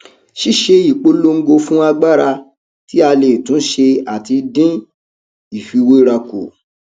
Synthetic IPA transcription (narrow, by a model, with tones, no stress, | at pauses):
ʃi˦ʃe˧i˨k͡po˧lo˧ŋ̩˦ɡo˧fũ˦a˧ɡ͡ba˦˨ɾa˧ | ti˦a˧le˨tũ˨˦ʃe˧a˨ti˧dĩ˦ | i˦˨fi˨˧wo˦ɾa˧ko̰˨